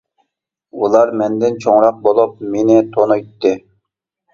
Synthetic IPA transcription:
ulˠɑɾmɛnd̪ɪnt͡ʃʰoŋɾɑq̚bolˠup̚menɪt̪ʰonujt̪ːɨ

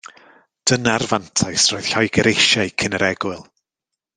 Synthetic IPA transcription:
d̥ənarvantʰajsroɨð̥ɬɔjɡəɾejʃajkʰənəɾɛɡwɪɨlˠ

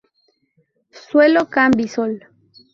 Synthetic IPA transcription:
swelokambisol

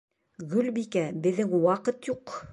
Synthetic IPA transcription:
ɡɵlbikæbɘ̆ðːɘŋwɑqɤt̪juq

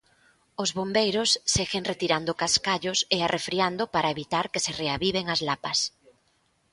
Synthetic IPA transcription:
ʊzβombejɾʊsːeɣeŋret̪iɾand̪ʊkaskaʎʊsɪarʔefɾiand̪ʊpaɾɐeβit̪aɾkɪsɪreaβiβeŋazlapɐs

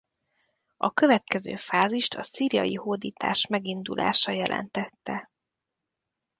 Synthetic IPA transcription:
ɒkø̞vɛt̪kɛzø̰ːfaːziʃt̪ʰɒsiːɾijɒ̰jihoːd̪iːt̪ʰa̰ːʃmɛɡind̪ulʔa̰ːʃɒjɛlʔɛ̰nt̪ɛt̪ːɛ

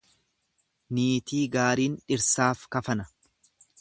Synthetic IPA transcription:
niːt̪iːɡaːɾiːnᶑɪɾsaːfkɐfɐnɐ

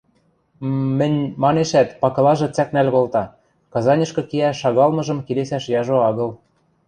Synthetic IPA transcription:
mɘ̆nʲmɑneʃæt̪pɑkɤ̆lɑʒɤ̆t͡sæknælʲkolt̪ɑ | kɑzɑnʲɤ̆ʃkɤ̆kiæʃɑɣɑlmɤ̆ʒɤ̆mkelesæʃjɑʒoɑɣɤ̆l

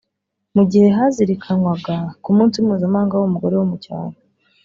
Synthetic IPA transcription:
muɟihe̞ɦaziɾikʰanwaɡakumuːnsiumuːzamaːŋɡawomuɡo̞ɾewomuca̰ːɾo

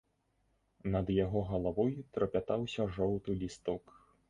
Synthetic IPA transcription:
nɐd̪jaɣɔɣɐlˠavɔjut̪ɾɐpʲat̪awsʲɐʐɔwt̪ulʲist̪ɔk

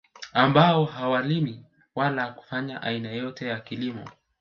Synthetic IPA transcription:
ambaɔɦawalimi | walaku̥faɲaʔainajɔtɛjakilimɔ̰

